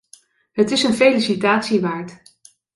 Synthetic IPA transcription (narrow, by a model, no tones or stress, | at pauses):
ɦətɪsənfejlisitaːtsiʋaːɹt